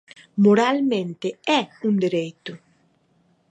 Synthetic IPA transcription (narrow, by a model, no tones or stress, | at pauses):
moɾalmẽnt̪ɪɛũnd̪eɾejt̪ʊ